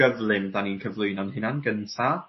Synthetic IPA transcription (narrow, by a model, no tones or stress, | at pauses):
əvlˠɪmdaninkʰəvlˠʊɨnɔnhɪnanɡəntʰa